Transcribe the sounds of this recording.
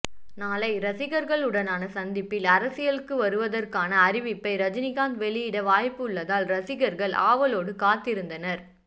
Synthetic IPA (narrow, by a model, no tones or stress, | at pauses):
naːlɐɪɾɐsɪɣɐɾɣɐɭɯɽɐnaːnɐsɐnd̪ɪpːɪlɐɾɐsɪjɐlɯkːɯʋɐɾɯʋɐðɐrkaːnɐːɾɪʋɪpːɐɪɾɐd͡ʒɪnɪɣaːnd̪ʋɛɭɪjɪɽɐʋaːjpːɯɯɭːɐðaːlɾɐsɪɣɐɾɣɐɭʔa̰ːʋɐloːɽɯkaːt̪ːɪɾɯnd̪ɐnɐɾ